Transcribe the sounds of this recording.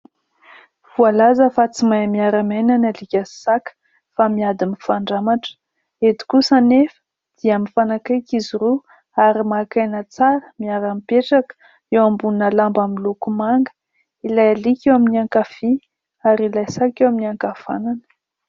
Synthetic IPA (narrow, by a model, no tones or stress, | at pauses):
v̥ualazəfat͡simajmiaɾamananalikʲasakə̥ | famiad̪imifaɳɖ͡ʐamaʈ͡ʂə̥ | et̪i̥kusanefə̥ | d̪̥iamifanakajkiziɾo | aɾimakajnət͡saɾəmiaɾampeʈ͡ʂakə̥ | ewambunnəlambamilukumaŋɡə̥ | ilajalikʲewaminiaŋkafi | aɾilajsakewaminiaŋkafa̰nanə̥